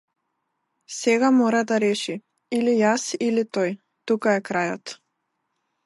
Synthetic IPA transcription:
sɛɡamɔɾad̪aɾɛʃi | ilijasilit̪ɔj | t̪ukaɛkɾajɔ̰t̪

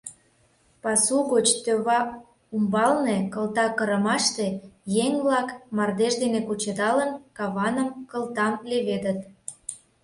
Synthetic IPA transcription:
pɑsuɣot͡ɕt̪øβɑ | umbɑlnekəlt̪ɑkəɾə̆mɑʃt̪ejeŋβlɑkmɑrd̪eʃd̪enekut͡ɕəd̪ɑlənkɑβɑnəmkəlˠt̪ɑmleβed̪ət̪

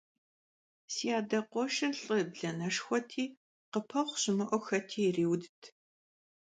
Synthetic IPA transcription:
siːaːdɐqʷɔʃɐrɬʼəbɮɐnɐʂxʷɔtʰiː | qəpʰɐχʷɕɪmɨʔʷɔxɐtʰiːriːwdɨtʰ

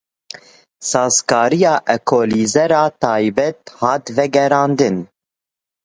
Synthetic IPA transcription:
sɑːzkɑːɾijɑːʔɛkʰoːliːzɛɾɑːt̪ɑːjbɛt̪hɑːt̪vɛɡɛɾɑːnd̪ɨn

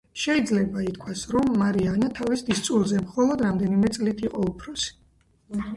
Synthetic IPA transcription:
ʃɛid̪zlɛbait̪ʰkʰwasɾɔmːaɾianat̪ʰavisd̪ist̪sʼulˠzɛmχɔlˠɔd̪ɾamd̪ɛnimɛt̪sʼlit̪ʰiqʼɔupʰɾɔsi̥

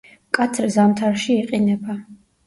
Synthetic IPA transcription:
kʼat̪ʰɾzamt̪ʰaɾʃiːqʼinɛba

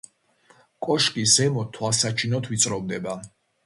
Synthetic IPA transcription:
kʼɔʃkʼisɛmɔt̪ʰːwasat͡ʃʰinɔt̪ʰvit̪sʼɾɔmd̪ɛba

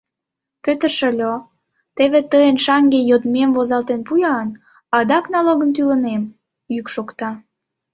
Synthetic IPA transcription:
pøt̪ərʃəlʲo | t̪eβet̪əjənʃɑŋɡejod̪memvozɑlt̪enpujɑn | ɑd̪ɑknɑloɣənt̪̬ylənem | jykʃokt̪ɑ

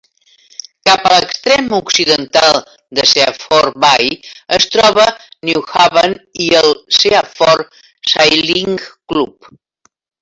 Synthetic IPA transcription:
kapələkst̪ɾɛmuksiðənt̪alˠ | d̪əsea̰fɔɾbajəst̪ɾɔβəniwxaβəniəlˠseafɔɾ | sajliŋklup

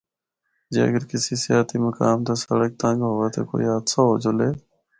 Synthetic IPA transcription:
d͡ʒḛːəɡəɾkɪsiːsɪjaːt̪ʰiːməkaːmt̪aːsəɽək̚t̪ãːŋɡɦoːʋeːt̪ʰḛko̰ːḭːaːt̪saːɦoːd͡ʒʊleː

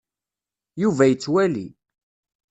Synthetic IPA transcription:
juvæjət͡sːwælḭ

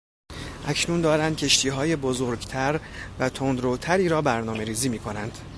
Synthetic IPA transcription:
ʔæcʰnuːnd̪ɒːɾænd̪̚cʰe̞ʃt̪ʰiːɦɒːjebozoɾɟt̪ʰæɾvæt̪ʰond̪ɾot̪ʰæɾiːɾɒːbæɾnɒːme̞ɾiːziːmiːkʰonænd̪̥

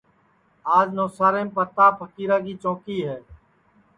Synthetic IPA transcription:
aːd͡ʒnoːsaːɾẽːmpəɾt̪aːpʰəkiːɾaːkiːt͡ʃõːkiːɦɛː

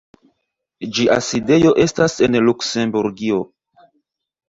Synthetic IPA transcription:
d͡ʒiʔa̰side̞jo̞ʔe̞stase̞nluksembuɾɡio̞

